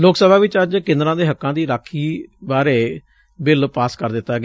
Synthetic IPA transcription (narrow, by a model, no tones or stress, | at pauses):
loːksəbʱaːʋɪt͡ʃəd͡ʒkɪ̃nd̪ɾãːd̪eːɦəkːãːd̪iːɾaːkʰːiːbaːɾeː | bɪlpaːskəɾd̪ɪt̪ːaɡ